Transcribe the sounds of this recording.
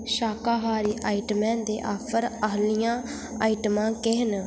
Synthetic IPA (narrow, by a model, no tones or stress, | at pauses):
ʃaːkaːɦaːɾiːʔaːɪʈəmɛ̃ːnd̪eːʔaːpʰəɾəɦlijãː | a̰ːiʈəmãːkeɦn